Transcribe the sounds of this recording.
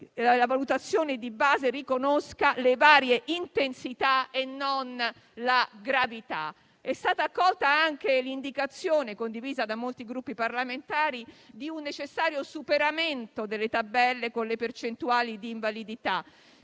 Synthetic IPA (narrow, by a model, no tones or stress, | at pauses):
lavalut̪at̪sːjoːned̪ibaːzerikonoskalevaːɾjeʔint̪ensit̪aenːon | laɡɾavit̪a̰ | ɛst̪aːt̪aːkːɔlt̪aaŋk̟elind̪ikat̪sːjoːnekond̪iviːzad̪amːolt̪iɡɾupːiparlament̪aːɾid̪iunːet͡ʃesːaːɾjosupeɾament̪od̪elːet̪abɛlːekonlepert͡ʃent̪uaːlid̪iːɱvalid̪it̪a